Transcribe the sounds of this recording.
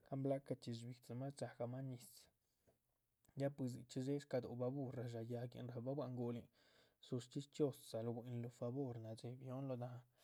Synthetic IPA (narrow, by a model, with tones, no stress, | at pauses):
ka˦mbla˦ka˧t͡ʃi˧s̬bi˨t͡sa˨ma˦t͡ʃa˨ɡa˧ma˦ni˨s | ja˦pi˧z̬ḭ˨t͡ʃi˦ze˦ʂka˧d̪o̰˨ba˧bu˦ɾa˨ʒa˨ja˧ɡḭ˨nɾa˨ba˦bwa˧ʔŋɡo˧li˨ | su˧ʂt͡ʃi˦st͡ʃo˦˧ssa˨lo˧ɡi˨nlo˧fa˧bo˦ɾna˨d͡ʒe˨bjo˦nlo˧d̪a˨˧